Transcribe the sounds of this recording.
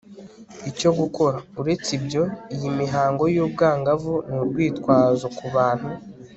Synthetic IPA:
ico̞ɡuko̞ɾauɾe̞t͡sibɟo̞ijimiɦaːŋɡo̞juːb̚ɡaːŋɡavuniɾɡwiːtkwaːzokuβaːn̥hu

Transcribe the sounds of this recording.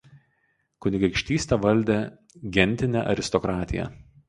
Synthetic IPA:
kʊnʲɪɡɐɪkʃʲt̪ʲiːsʲt̪ʲɛʋɐlʲd̪ʲe | ɡʲɛnʲt̪ʲɪnʲæ̰ʔɐ̰ɾʲɪst̪ɔkɾɑːt̪ʲɪjɛ̰

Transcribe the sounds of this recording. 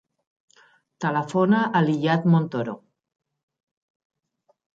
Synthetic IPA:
t̪əlafonaʔːliʎat̪mont̪oɾo̰

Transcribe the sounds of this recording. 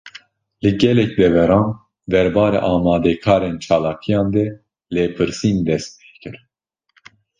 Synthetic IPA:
lɨɡɛlɛkd̪ɛvɛɾɑːn | d̪ɛɾbɑːɾɛʔɑːmɑːd̪ɛkʰɑːɾeːnt͡ʃʰɑːlaːkʰijɑːnd̪ɛ | leːpʰɨɾsiːnd̪ɛst̪̚pe̥ːhkɨɾ

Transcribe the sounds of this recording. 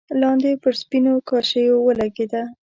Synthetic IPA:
lɑnd̪epəɾspinokɑʃəjowəlaɡed̪a

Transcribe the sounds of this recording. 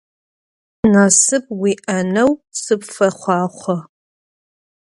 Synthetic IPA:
naːsɨp̚wiːʔɐnɐwsɨpfɐχʷɑːχʷɔ

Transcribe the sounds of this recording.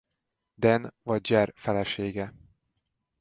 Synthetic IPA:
d̪ɛnvɒɟ̚d͡ʒɛrfɛlɛʃeːɡɛ

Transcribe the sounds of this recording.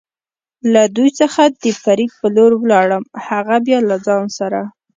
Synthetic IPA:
lad̪ujt͡səxad̪əfaɾiɡ̪̚pəloɾwlɑɽəmhaɣabjɑlad͡zɑnsaɾa

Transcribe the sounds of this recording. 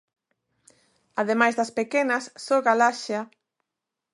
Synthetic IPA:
aðemajzðɐspekenɐsːoɣalaʃa

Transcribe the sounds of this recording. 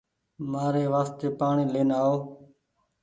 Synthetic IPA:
maːɾeːʋaːst̪eːpaːɳiːleːnaːoː

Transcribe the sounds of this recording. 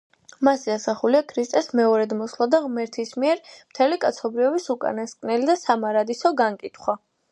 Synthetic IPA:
masiasaχuliakʰɾist̪ʼɛsmɛɔɾɛd̪mɔslˠad̪aʁmɛɾt̪ʰismiɛɾmt̪ʰɛlikʼat̪sʰɔbɾiɔbisukʼa̰naskʼnɛlid̪asamaɾad̪isɔɡaŋkʼit̪ʰχwa

